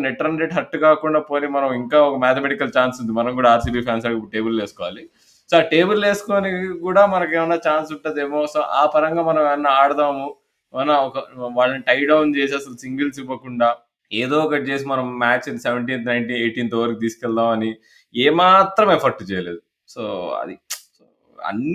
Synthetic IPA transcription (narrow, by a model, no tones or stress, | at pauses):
neʈːɐɾnɾeʈɦɐʈːukaːkuɳɖaːpo̞ːnimɐnɐmiŋkaːɔkɐmaːt̪ʰemeʈikːɐlt͡ʃaːnsund̪imɐnɐmkuːɽaaːɾsiʈiːpʰaːns̬aːɽkiʈe̞ːbulleːsukɔːʋaːli | soʈe̞ːbulle̞ːsu̥koːnikuːɽaːmɐnɐkeːʋɐnːaːt͡ʃaːns̬uɳʈːɐd̪eːmoːsɐʔaːpɐɾɐŋɡaːmɐnɐmɐnːaaːɽɐd̪aːmu | ɐnːaɔkɐʋaːɭːɐniʈɐjɖɐwnt͡ʃeːs̬iɐsɐlusiŋɡilsiʋːɐkuɳɖaː | eːd̪oːɔkɐʈt͡ʃeːs̬imɐnɐmːaːt͡ʃinseʋeɳʈiːnt̪nɐjɳʈiːneːʈiːnt̪oːʋɐɾkit̪iːskɛlt̪aːmɐni | eːmaːt̪ɾɐmepʰɐɾʈt͡ʃɛjɐle̞ːd̪u | soːɐ̰d̪isoː | ɐ̰nː